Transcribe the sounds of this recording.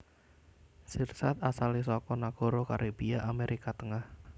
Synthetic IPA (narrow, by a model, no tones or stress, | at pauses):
sirsat̪asalisɔkɔnaɡ̥o̤ɾokaɾʔebiaʔameɾʔikat̪əŋah